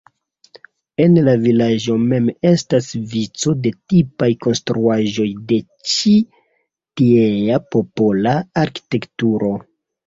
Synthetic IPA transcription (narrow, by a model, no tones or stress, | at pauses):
e̞nlavilaʒo̞me̞me̞stasvit͡so̞de̞tipajko̞nstɾuaʒo̞jde̞ | t͡ʃi | tiejapo̞polaːɾki̥te̞ktuɾo̞